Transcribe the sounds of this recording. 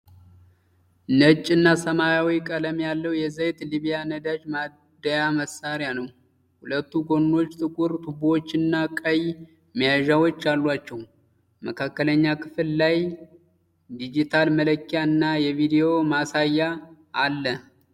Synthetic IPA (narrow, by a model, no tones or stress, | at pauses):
nət͡ʃʼːɨnːasəmajawikʼələmjalːəwjɛzəjt̪liβijanəd̪ad͡ʒma | d̪əjaməsaɾijanəw | hulət̪ːuɡo̞nːo̞t͡ʃːt̪ʰʼɨkʷʼuɾt̪ʰubot͡ʃːɨnːakʼəj | mijaʒawo̞t͡ʃːjalːuat͡ʃːɛw | məkʰakːələɲːakʰɨ̥fllaj | d̪id͡ʒit̪ʰalmələkːijaɨnːajɛvid̪ijo̞masajːaʔːlːə